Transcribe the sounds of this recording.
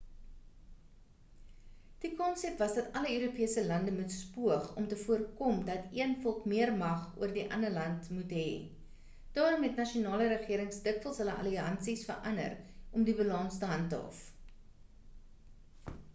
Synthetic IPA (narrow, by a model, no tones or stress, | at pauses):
d̥ikɔnsɛpvɐsdɐtɐləøːɾupiəsəlɐndəmutspuəχɔmtəfuərkɔmdɐtiənfɔlˠkmiərmɐχuərdiʔɐ̰ndərlɐntmutɦɛ̰ː | d̥ɑːɾɔmɦɛtnɐʃiunɑːləɾəχiəɾəŋsdəkfəlˠsɦələʔɐ̰liɐ̰nsisfə̰rʔɐnə̰rʔɔmdibəlɑnstəɦɐntəɔ̰f